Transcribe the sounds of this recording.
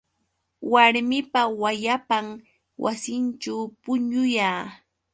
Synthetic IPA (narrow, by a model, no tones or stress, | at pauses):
waɾmɪpawajapaŋ | wa̰sɪnt͡ʃawpʊɲʊjaː